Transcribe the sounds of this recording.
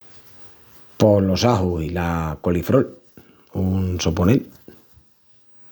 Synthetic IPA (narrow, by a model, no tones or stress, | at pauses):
po̞lo̞saɦuilakolifɾol | unsoponel